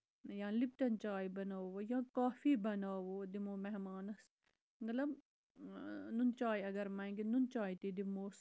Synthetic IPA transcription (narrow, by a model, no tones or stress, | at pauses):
jãːlib̚t̪ɐnt͡ʃaːibɐnaːʋojãːkaːfiːbɐnaːʋoːd̪imoːmɐɦmaːnɐs | mɐt̪lɐb | nunt͡ʃaːjɐɡɐɾmɐ̃ɡinunt͡ʃaːit̪id̪imoːs